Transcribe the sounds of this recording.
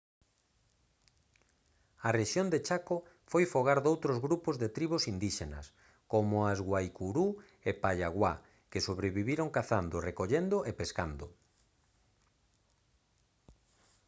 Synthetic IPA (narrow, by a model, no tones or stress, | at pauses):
ɐreʃjond̪et͡ʃako | fojfoɣaɾðowt̪ɾozɣɾupozðet̪ɾiβosind̪iʃenɐ̰s | komoazɣwajkuɾu | epaʎaɣwa | kɪsoβɾeβiβiɾoŋkaθand̪orekoʎend̪oʔepeskand̪ʊ